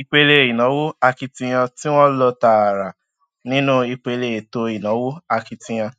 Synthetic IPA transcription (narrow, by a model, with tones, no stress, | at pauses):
i˧k͡pe˧le˧˨i˨nã˨˦wo˦a˧ki˧tĩ˧j̃ã˧tĩ˦w̃ɔ̃˦lɔ˧ta˨a˨ɾa˨ | nĩ˦nũ˦i˧k͡pe˧le˧˨e˨to˧i˨nã˨˦wo˦a˧ki˧tĩ˧j̃ã˧